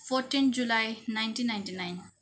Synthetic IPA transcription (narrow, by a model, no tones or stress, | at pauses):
fɔtind͡ʒulajnajntinːajntinajn